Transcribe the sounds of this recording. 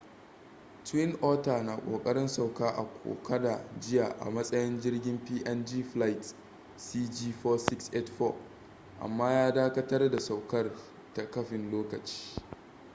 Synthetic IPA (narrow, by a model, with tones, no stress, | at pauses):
twɪ˦nʔɔː˦taː˨naː˨kʷʼo̰ː˨kʼɐ˦ɽɪ˦nsa˨wkaː˦ʔa̰˨kʷʰo̰ː˨kʰɐ˦da˨d͡ʒɪ˦jaː˨ʔa̰˨mɐ˦sʼɐ˦jɪ˦nd͡ʒɪ˦rɡʲɪ˦mpiː˦ʔɛ˦nd͡ʒiː˦ɸla˦jt | siː˦d͡ʒiː˦ɸɔː˦sɪ˦ksʔe˦tɸo˦ | ʔa̰˨mːaː˦jaː˦daː˦kɐ˦tɐ˦rda˨sa˨wkɐ˦r | ta˨kɐ˦ɸɪ˨nloː˦kɐ˨t͡ʃi̥ː˦